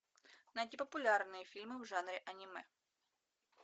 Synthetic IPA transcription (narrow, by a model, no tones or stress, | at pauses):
nɐt̪ʲipəpʊlʲarnɨjəfʲilʲmɨvʐanɾʲɪʔɐnʲɪmɛ